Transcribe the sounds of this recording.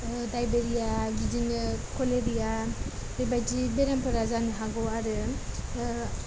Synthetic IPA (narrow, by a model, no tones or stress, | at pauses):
dajbeɾijaɡid͡ʒinkoleɾijaɾejbajd͡ʒibeɾampʰɯɾazanɦaɡoaɾɯ